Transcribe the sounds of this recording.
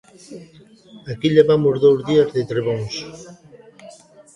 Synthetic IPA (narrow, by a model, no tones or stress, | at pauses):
akiʎeβamʊzðowzðiazðet̪ɾeβoŋs